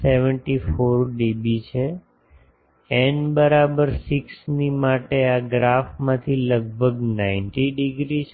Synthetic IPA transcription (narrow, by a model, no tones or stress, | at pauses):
seʋəɳʈifoɾɖibit͡ʃʰe | enbəɾabəɾsiksnimaʈeaɡɾafmãt̪ʰiləɡ̚bʱəɡnaɪnʈiɖiɡɾit͡ʃʰ